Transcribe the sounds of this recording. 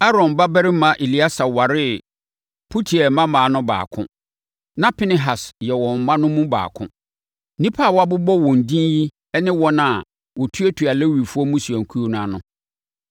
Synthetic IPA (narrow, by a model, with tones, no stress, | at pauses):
a˦ɾɔ̃˨nba˦bɛ˦ɾɪ˦mã˨ʔe˨li˦a˦sa˨wa˨ɾɪ˦ | pʰu˦tʰi˨ɛ˨mã˦mã˨˦nʊ̃˦ba̰ː˨kʰʊ̰̃˦ | nã˦pʰɪ˦nɪ˨ɦa˨sjɛ˨wɔ̃˨m̩˨mã˦nʊ̃˦mũ˦ba̰ː˨kʰʊ̰̃˦ | nĩ˦pʰa˦˨wa˦˨bʊ˦bɔ˦wɔ̃˨n˨dĩ˦nji˦ | ɛ˦nɪ̃˦wɔ˦nã˨ | wɔ˨tʰu˦e˦tʰu˨a˨lɛ˦wi˨fu˦ɔ˦mũ˦su˨æ˨ŋ̩˨kʰu˦o˦nʊ̃˦a˦˨nʊ̃˦